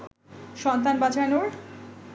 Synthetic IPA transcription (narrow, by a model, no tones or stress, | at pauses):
ʃɔnt̪anbad͡ʑanoɾ